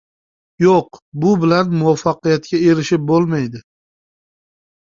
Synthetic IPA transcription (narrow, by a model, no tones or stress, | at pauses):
joqbʊbɪlanmʊwafːɑqɨjat̪kʲae̞ɾɪʃɪp̚bolˠmajd̪ɪ